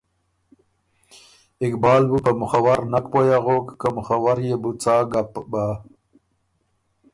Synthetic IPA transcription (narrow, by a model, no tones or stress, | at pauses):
ɪkbɑːlbupəmʊxawaɾnakpojaɣokːamʊxawaɾjebut͡saːɡapba